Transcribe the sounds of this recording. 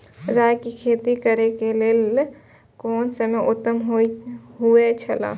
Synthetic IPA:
ɾajkikʰet̪ikəɾekelel | koːnsəmeʔut̪ːəmɦoɦuet͡ʃʰəla̰

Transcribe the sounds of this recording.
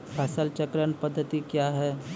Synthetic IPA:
pʰɛːsəlt͡ʃəkɾənpəd̪ʱːət̪ikjaɦɛː

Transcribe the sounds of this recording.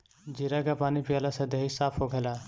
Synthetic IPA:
d͡ʒiɾakapanipijalasẽd̪eɦisapʰɦoɡʱela

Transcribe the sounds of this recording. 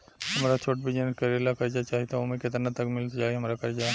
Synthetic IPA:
ɦɐmɾat͡ʃʰoːʈ̚bid͡ʒnkəɾeːlakɐɾd͡ʒat͡ʃaːɦit̪aomẽkɪt̪ɾnat̪ɐkmɪlt̪d͡ʒaːɦeɦɐmɾakɐɾd͡ʒaː

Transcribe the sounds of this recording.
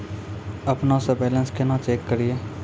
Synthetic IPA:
ɐpnasəbeːlə̃nskenat͡ʃeːkːəɾieː

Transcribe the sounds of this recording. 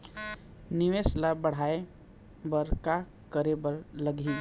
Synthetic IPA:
nɪʋeslabəɽ̤ae | bəɾka | kəɾebəɾləɡʱi

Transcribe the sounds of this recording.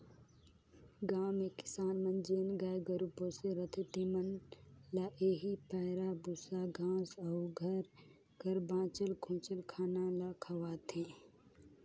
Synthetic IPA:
ɡaːmekɪ̥saːnmə̃nd͡ʒenɡaːjɡəɾupõseɾət̪ʰɪt̪imənlaʔeːɦipɛːɾabʊsaɡʱãːsɐuɡʱəɾ | ɡʱəɾbãːt͡ʃəlkʰõːt͡ʃəlkʰaːnalakʰɐʋaːt̪ʰẽː

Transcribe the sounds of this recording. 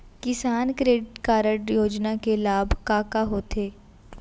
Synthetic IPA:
kɪsaːnkɾeːɖkaːɾəʈjoːd͡ʒnakelaːbʱkaːkaɦoːt̪ʰeː

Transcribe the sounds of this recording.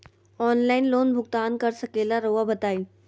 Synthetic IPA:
ɔːnlaːɪnloːnbʱʊɡt̪aːnkɐɾsɐkeːlaɾoːʋabɐt̪aːi

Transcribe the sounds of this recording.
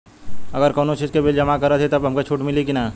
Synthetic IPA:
ɐɡəɾkoːnõt͡ʃiːd͡ʒkebɪld͡ʒɐmakəɾət̪ʰɛt̪ɐbɦɐmkot͡ʃʰuːʈmɪlikinaː

